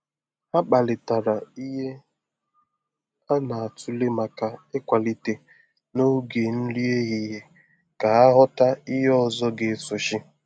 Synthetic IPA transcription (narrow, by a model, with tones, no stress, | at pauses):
a˦k͡pa˨lɪ˨ta˨ɾa˨i˦ɦe˦ | a˦na˨a˨tʊ˦le˦ma˨ka˨e˦kʷa˨li˦te˨ | no˦ɡe˨n̩˦li˦e˦ɣi˨ɦe˨ | ka˨a˦ɦɔ˦ta˦i˦ɦe˦ɔ˦zɔ˦ɡe˨sʊ˨ʃɪ˦